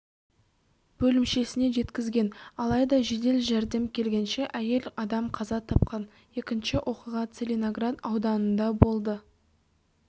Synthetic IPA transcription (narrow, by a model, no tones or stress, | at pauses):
b̥ɵlɪmʃe̞sɪne̞ʒe̞t̪kʲɪzɡʲe̞nɑlˠɑjd̪ɑʒe̞d̪e̞lʒæɾd̪e̞mkʲʰe̞lɡʲe̞nʃe̞ʔæje̞lɑd̪ɑmqʰɑzɑt̪ʰɑp̚qɑn | je̞kʲɪnʃɪʔwʔo̞qəʁɑt̪selʲinoɡrat̪ɑwd̪ɑnənd̪ɑbo̞lˠd̪ə